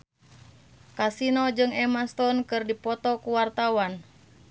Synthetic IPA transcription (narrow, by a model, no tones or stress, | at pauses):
kasinɔd͡ʒɨŋɛmast̪ɔnkɨrdipɔt̪ɔkuwart̪awan